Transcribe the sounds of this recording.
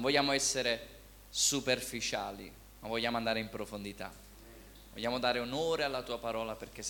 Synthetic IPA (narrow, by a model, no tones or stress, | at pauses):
ɱvɔʎːaːmoɛsːeɾe | superfit͡ʃa̰ːlḭ | mavːɔʎːaːmoand̪aːɾeimpɾofond̪it̪a̰ | vo̰ʎːaːmod̪aːɾeonoːɾealːat̪uːapaɾɔːlaperk̟e